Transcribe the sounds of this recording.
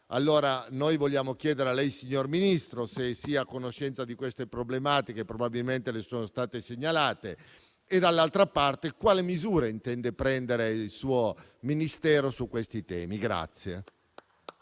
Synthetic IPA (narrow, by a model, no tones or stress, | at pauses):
a̰lːoːɾanojvoʎːaːmok̟jɛːd̪eɾealɛjsiɲːorminist̪ɾosesːiːakːonoʃːɛnt̪sad̪ikwest̪epɾoblemaːt̪ik̟epɾobabilment̪elesoːnost̪aːt̪eseɲːalaːt̪eː | d̪alːalt̪ɾapart̪ekwaːlemizuːɾeint̪ɛnd̪epɾɛnd̪eɾeiilsuːo | minist̪ɛːɾosukːwest̪it̪ɛ̰ːmiɡɾa̰t̪sːje